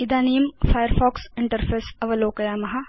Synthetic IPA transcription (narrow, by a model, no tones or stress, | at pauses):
ɪd̪aːniːmfʰaːjəɾfɔːksɪɳʈəɾfʰeːsɐʋɐloːkɐjaːmɐɦɐ